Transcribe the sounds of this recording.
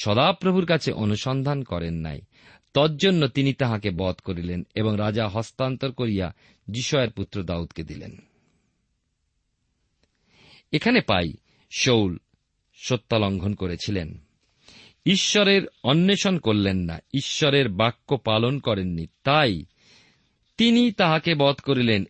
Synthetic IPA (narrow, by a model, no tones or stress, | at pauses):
ʃɔd̪apɾobʱuɾkat͡ɕʰeʔonuʃɔnd̪ʱankɔɾenːa̰j | t̪ɔtd͡ʑonːot̪init̪aɦãkebɔt̪koɾileneboŋɾad͡ʑaɦɔst̪ant̪oɾkoɾija̰ | d͡ʑiʃɔeɾput̪ːɾod̪aud̪ked̪ilḛn | ekʰanepaj | ʃowl | ʃot̪ːaloŋɡʱonkoɾet͡ɕʰilḛn | iʃːoɾeɾɔnːeʃonkoɾlenːa̰iʃːoɾeɾbakːopalonkɔɾenːit̪aj | t̪init̪aɦãkebɔt̪koɾilen